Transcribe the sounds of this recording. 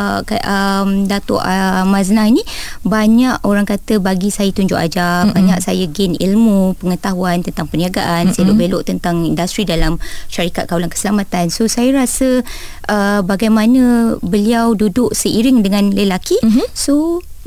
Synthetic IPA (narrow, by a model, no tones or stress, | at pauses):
kaʔəmdat̪o̰ʔəmaznainĩ | baɲaʔoɾaŋkat̪əbaɡisajət̪uɲd͡ʒʊ̰ʔa̰d͡ʒabaɲaʔsajəɡɪnḭlmupəŋət̪aɦuant̪ənt̪aŋpəniaɡaʔansajəloʔbeloʔt̪ənt̪aŋindust̪ɾidalamʃaɾikat̪̚kawlankə̥səlamat̪ansosajəɾasə | ʔəbaɡajmanə̃bəliawdudʊʔsəiɾɪŋdəŋãnləlakiso